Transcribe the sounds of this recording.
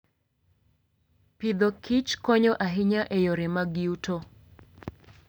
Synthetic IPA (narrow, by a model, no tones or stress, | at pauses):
pid̪ɔkʰit͡ʃkɔɲɔʔaɦɪɲaʔejoɾɛmaɡɪuto